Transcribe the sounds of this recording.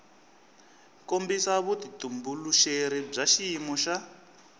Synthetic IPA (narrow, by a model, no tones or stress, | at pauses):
kombisaβutitumbuluʃeɾib͡ʐaʃimɔʃa